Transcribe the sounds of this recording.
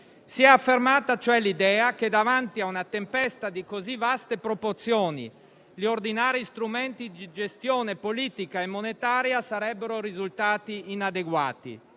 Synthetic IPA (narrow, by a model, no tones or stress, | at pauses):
siɛafːermaːt̪at͡ʃoɛlid̪ɛːak̟ed̪avant̪iaunat̪empɛst̪ad̪ikozivast̪epɾoport̪sjoːnḭ | ʎiord̪inaːɾist̪ɾumɛnt̪id̪id͡ʒest̪joːnepoliːt̪ikaemːonet̪aːɾjasaɾɛbːeɾoɾizult̪aːt̪iːnad̪eɡwa̰ːt̪ḭ